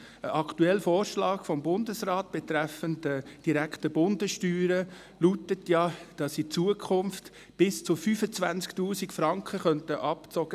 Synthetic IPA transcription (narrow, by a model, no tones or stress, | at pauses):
əʔɑktuɛlfɔːɾʃlɑːɡ̥fɔmbʊndəsrɑːt̚b̥ɛtɾɛfəndəd̥iɾæktəbʊndəʃtyːɾə | lutətjɑd̥ɑsit͡suəkʰχʊnft | b̥ɪst͡sʊfyːfət͡svænsktuːsikfɾɑŋkχəχœntəʔɑpt͡sɔɡ̥ə